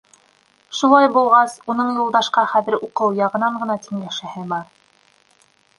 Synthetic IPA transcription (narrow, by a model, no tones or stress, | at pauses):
ʃulˠɑjbulˠʁɑsun̪ɤɴjŭlˠd̪ɑʃqɑχæðɘɾuqɤwjɑʁɤ̆nɑɴɢɤ̆nɑt̪ʰiŋlæʃɘ̆hɘbɑɾ